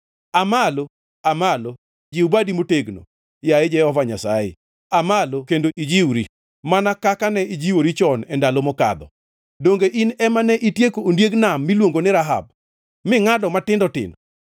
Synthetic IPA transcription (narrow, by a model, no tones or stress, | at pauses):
amalo | amalo | d͡ʒiubadimoteɡno̰ | jaɪd͡ʒɛhɔvaɲasajɪ̰ | amalokendoʔid͡ʒiwɾi | manakakanɛid͡ʒiwoɾit͡ʃɔnɛndalomɔka̰d̪ɔ | doŋɡeʔinɛmanɛʔitjekoːndjeɡnamːilwoŋɡonɪɾaɦa̰b̚ | mɪŋadɔmatɪndɔtɪ̰nɔ